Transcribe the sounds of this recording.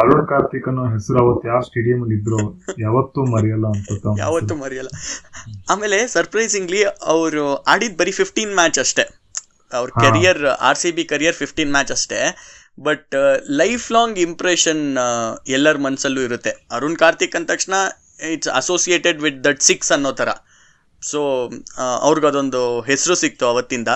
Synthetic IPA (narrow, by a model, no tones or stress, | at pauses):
ɐɾuɳkaːɾt̪ikɐnːuɦesɐɾuɐʋɐt̪ːjaːsʈeːɽijɐmɐɡid̪ɾojaːʋɐt̪ːumɐɾijɐlːɐːnsɐt̪ːja̰ːʋɐt̪ːumɐɾijɐlːɐ | aːmeːlesɐɾpɾɐjziŋɡliɐʋɾuaːɽid̪̚bɐɾipʰipʰʈiːnmæːt͡ʃɐʂʈe | ɐʋɾhkɐɾijɐɾa̰ːɾsibikɐɾijɐɾpʰipʈiːnmæːt͡ʃɐʂʈe | bɐʈlɐjfʰlaːŋɡimpɾeʃɐn | ɛlːɐɾumɐnɐsɐlːuiɾut̪ːe̞ɐɾunkaːɾt̪ikːɐnt̪ɐkʂɳɐ | iʈsɐ̰soːsijeːʈeɖʋid̪̚d̪ɐʈsiksɐnːoːt̪ʰɐɾɐ̰ | soː | ɐ̰ʋɾiɡɐd̪o̞nd̪uɦesɾusik̚t̪uɐʋɐt̪ːind̪ɐ